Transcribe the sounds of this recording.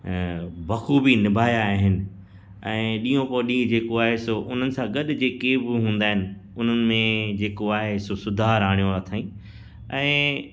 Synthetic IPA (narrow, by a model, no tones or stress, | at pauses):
bɐxʰubinɪbʱaːjaɦɪnɪ̆ | ɛ̃ːɗĩːõpoːɗĩːd͡ʑeːkoaːɦesoʔʊn̤ənɪ̆sãɡɐɗd͡ʑeːkebɪɦũːnd̪aːɦɪnɪ̆ʊn̤ənɪ̆mẽd͡ʑeːkoaːɦesosʊd̪ʱaːɾaːɽ̃jõat̪ʰaːĩː | ɛ̃ː